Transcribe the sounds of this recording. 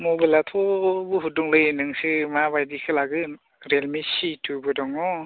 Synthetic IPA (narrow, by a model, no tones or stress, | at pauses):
mobajlatʰɔbuɦuduŋlɯjenɯŋsɯmabajdikʰɯlaɡɯ | ɾelmisitʰubɯdɔŋɔ